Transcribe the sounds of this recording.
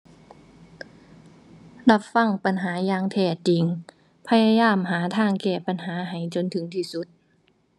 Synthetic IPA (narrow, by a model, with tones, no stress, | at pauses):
la˧˥p̚fa˧˩˨ŋpa˨nɦaː˩˦jaː˧ŋt̪ʰɛː˧˩t͡ɕi˨˦ŋ | pʰa˧jaː˧jaː˧˩˨mɦaː˩˦t̪ʰaː˧˥˩ŋkɛː˧˩pa˧˨nɦaː˩˦ɦa˨˩jt͡ɕo˧˦nt̪ʰɯ˨˦ŋt̪ʰiː˧˩su˧˦t̪̚